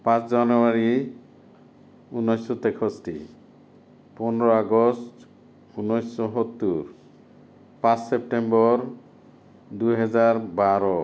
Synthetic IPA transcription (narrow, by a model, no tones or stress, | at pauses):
pãt͡ʃd͡ʒanɔaɾi | unːɔjsɔt̪ekʰɔsʈḭ | pɔnɾɔaɡɔst | unːɔjsɔɦɔt̪ːuɾ | pãt͡ʃsep̚ʈembɔɾ | d̪uɦɛd͡ʒaɾbaɾɔ